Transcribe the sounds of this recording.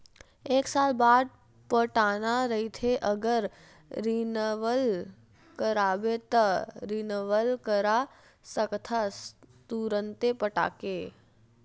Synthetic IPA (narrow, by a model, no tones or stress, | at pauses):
eːksaːlbaːd̪̚ | pəʈaːnaɾɐɦit̪ʰeʔəɡəɾː | inəʋəl | kəɾaːbet̪aɾinəʋəlkəɾa | səkt̪ʰat̪uɾə̃nt̪epəʈa̰ːkeː